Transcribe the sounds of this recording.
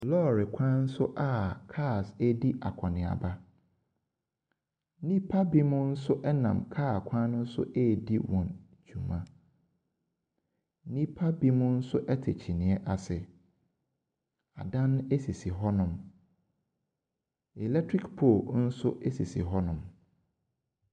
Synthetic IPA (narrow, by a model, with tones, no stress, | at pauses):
lɔː˦˨ɾɪ˨kʷʰã˦n̩˦sʊ˦ʔa˦kʰa˦˨se˦di˦ʔa̰˨kʰɔ̃˨nɪ̃˨a̰˨ba˦ | nĩ˦pʰa˦bi˦mʊ̃˦n̩˦sʊ˦ʔɛ˦nã̰˨mkʰaː˦˨kʷʰã˦nʊ̃˦n̩˦sʊ̰˦ʔe˦˨di˦wɔ̃˨n | d͡ʑũ˨mã̰˦ | nĩ˦pʰa˦bi˦mʊ̃˦n̩˦sʊ˦ʔɛ˦tʰe˨t͡ɕʰi˨nɪ̃˨ɛ˦ʔa˨sɪ˨ | a˨dã˦ñ˦e˦si˨si˨ɦɔ˦nʊ̃˨m | ɛ˨lɛ˦tʰɾi˦kpʰo˦˨n̩˦sʊ˦ʔɛ˦si˨sḭ˨ɦɔ˦nʊ̃˨m